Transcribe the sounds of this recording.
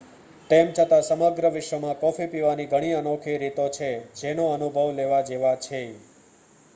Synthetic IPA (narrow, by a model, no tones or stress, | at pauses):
t̪emt͡ʃʰət̪ãsəməɡɾəʋɪʃʋəmãkɔfipiʋaniɡʱəɽ̃iənokʰiɾit̪ot͡ʃʰed͡ʒenoənubʱəʋleʋad͡ʒeʋat͡ʃʰe